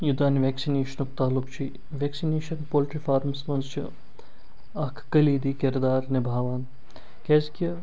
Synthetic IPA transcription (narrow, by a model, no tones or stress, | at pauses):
jud̪aːnʋʲɛːksineːʃɐnɐk̚t̪aːlukt͡ʃʰi | ʋʲeːksineːʃɐnpoːlʈɾifaːɾmsmɐnzt͡ʃʰi | ɐkʰkɐliːd̪iːkɪɾd̪aːɾnebʱaːʋaːn | kʲɛːzkʲi